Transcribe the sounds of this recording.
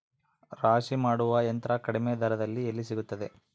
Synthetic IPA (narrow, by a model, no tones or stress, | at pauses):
ɾaːʂimaːɽuʋɐjɐnt̪ɾɐkɐɽimed̪ʱɐɾɐd̪ɐlːielːisiɡut̪ːɐd̪e